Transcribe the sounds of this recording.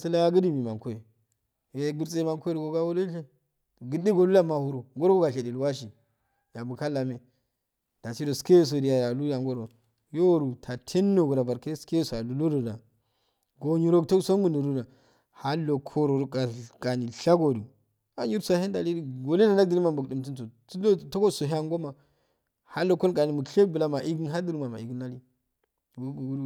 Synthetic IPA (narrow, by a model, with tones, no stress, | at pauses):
si˦la˦ɡi˦di˦˨mi˨ma˨ŋko˦e˨ | je˨˦ɡu˦ɾt͡se˦ma˨ŋko˦e˦ɾi˨ɡo˨ɡa˦wo˦lo˦ɬe˦˨ | ɡi˨di˦ɡo˨lu˦la˦ma˨hu˦ɾu˨ŋɡo˦ɾo˦ɡo˦ɡa˨ɬe˨di˨lu˨wa˦ʃ̬i˨ | ja˨bu˨ka˦lːa˨me˨ | d̥a˨si˦do˨ske˦˨s̬o˨di˨ja˨ja˨lu˦da˨ŋɡo˦ɾo˨ | jo˦˨ɾu˨tʰa˨tʰe˦nː˦o˦˨ɡu˨ɾa˨ba˨ɾke˦ske˦so˨a˨lu˨lo˦do˨da˨ | ɡo˨ɲi˨ɾo˦kto˦kso˦mu˨ndo˨ɾu˦da˨ | ha˦lo˨kʰo˦ɾo˨˦ka˨ka˨ni˨ɬa˦ɡo˨du˨ | a˨ɲi˦ɾsu˦a˨he˦nda˨li˦i˦ɡo˨le˦da˨na˦ɡ̚di˨li˦ma˨mbu˨kdi˨mt̬u˦nto˨tdo˦to˦ko˦so˨ɦa˦ŋɡo˦ma˨ | ha˦lo˨ko˦lka˨ni˨mu˨kɬe˦k̚bu˨la˦ma˨ʔi˦ɡi˦ɦa˦du˦ɾu˦ma˨ma˨i˨ɡi˦nːa˦li˦˨ | u˦ɡu˨ɡu˦u˦